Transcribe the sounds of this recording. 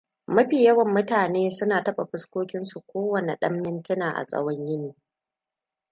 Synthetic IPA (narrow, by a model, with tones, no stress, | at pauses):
mɐ˦ɸiː˨jɐ˦wɐ˨mːʊ˦taː˨neː˦sʊ˦naː˨tɐ˦ɓa˨ɸɪ˦skʷoː˦kʲɪ˦nsu˨kʷoː˦wɐ˨ne˨ɗɐ˦mːɪ˦ntɪ˦naː˨ʔa̰˨sʼɐ̰˦wɐ˦ɲjɪ˦niː˨